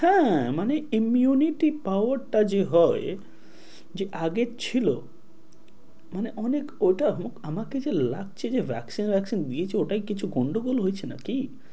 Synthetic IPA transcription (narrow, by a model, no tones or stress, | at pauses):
hɛ̃maneimijuniʈipawaɾʈad͡ʑeɦɔe | d͡ʑeʔaɡet͡ɕʰilo̰ | maneʔɔnekojʈaɦmokamaked͡ʑelak̚t͡ɕʰed͡ʑebʱɛ̰ksinbʱɛksind̪iet͡ɕʰeoʈaikit͡ɕʰuɡoɳɖoɡolɦojt͡ɕʰena̰ki